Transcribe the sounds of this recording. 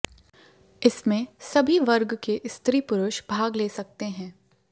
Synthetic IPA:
ɪsmẽsɐbʱiʋɐɾɡkeʔɪst̪ɾiːpʊɾʊʃbʱaːɡleːsɐk̚t̪eɦɛ̃ː

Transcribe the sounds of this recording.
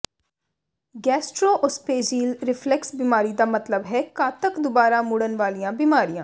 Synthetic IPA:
ɡɛːsʈɾoːʔʊspeːd͡ʒiːlɾɪpʰlɛksbiːmaːɾiːd̪aːmət̪ləbɦɛːkaːt̪əkd̪ʊbaːɾaːmʊɽənʋaːlijãːbiːmaːɾijãː

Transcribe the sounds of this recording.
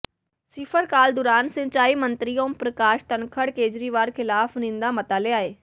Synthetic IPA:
sɪpʰəɾkaːld̪ʊːɾaːnsɪ̃ɲt͡ʃaːiːmə̃nt̪ɾiõːpɾəkaːʃt̪ənkʰəɽkeːd͡ʒɾiːʋaːɾkʰɪlaːfʰnɪ̃nd̪aːmət̪aːleːaːeː

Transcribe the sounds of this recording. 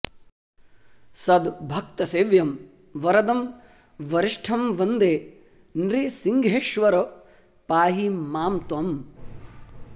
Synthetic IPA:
sɐd̪bʱɐkt̪ɐseːʋjɐm | ʋɐɾɐd̪ɐm | ʋɐɾiʂʈʰɐmʋɐnd̪eː | nɾisiŋɡʱeːʃʋɐɾɐ | paːɦimaːmt̪ʋɐm

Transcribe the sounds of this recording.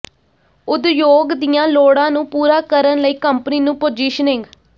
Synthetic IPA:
ʊd̪joːɡd̪ɪjãːloːɽãːnũːpuːɾaːkəɾənləiːkəmpəniːnũːpoːd͡ʒiːʃənɪ̃ŋɡ

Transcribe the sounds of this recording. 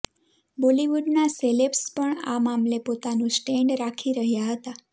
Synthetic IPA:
boliʋuɖnaselepspəɳa̰mamlepot̪anũsʈeɳɖɾakʰiɾəɦjaɦət̪a

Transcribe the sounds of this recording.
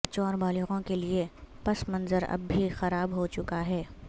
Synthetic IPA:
t͡ʃɔːɾbaːlɪɣõkeliepɐsmɐ̃nzəɾɐ̰bʱːixɐɾaːbɦot͡ʃʊkaɦɛː

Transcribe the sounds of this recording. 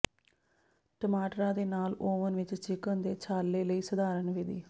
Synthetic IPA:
ʈəmaːʈɾãːd̪eːnaːloːʋənʋɪt͡ʃt͡ʃɪkənd̪eːt͡ʃʰaːlːeːləiːsəd̪aːɾənʋeːd̪iː

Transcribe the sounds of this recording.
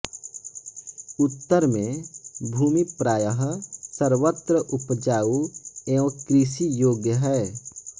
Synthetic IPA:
ʊt̪ːəɾmẽbʱuːmipɾaːjəɦsəɾʋət̪ɾəʔʊpd͡ʒaːueːõkɾiʃijoːɡjəɦɛː

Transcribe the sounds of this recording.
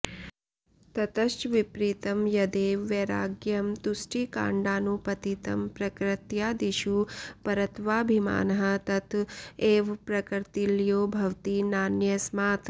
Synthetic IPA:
t̪ɐt̪ɐʃʋipɾiːt̪ɐmjɐd̪eːʋːeɾaːɡjɐmt̪usʈiːka̰ːɳɖaːnupɐt̪it̪ɐmpɾɐkɾɪt̪jaːd̪iʃupɐɾɐt̪ʋaːbʱima̰ːnɐɦɐ̆t̪ɐt̪eːʋpɾɐkɾt̪iljoːbʱɐwt̪inaːnjɐsmaːt̪ʰ

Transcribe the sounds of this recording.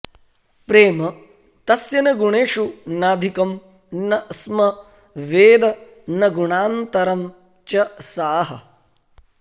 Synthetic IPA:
pɾeːmɐ | t̪ɐsjɐnɐɡuɳeːʂunaːd̪ʱikɐm | nɐsmɐ | ʋeːd̪ɐ | nɐɡuɳaːnt̪ɐɾɐm | t͡ʃɐsaːɦɐ

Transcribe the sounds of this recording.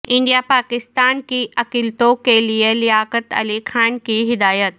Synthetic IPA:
ɪ̃ɳɖijapaːkɪst̪aːnkiʔɐkilt̪okeliəlɪjaːkət̪ɐ̰lixʰaːnkiːɦɪd̪aːjət̪̚

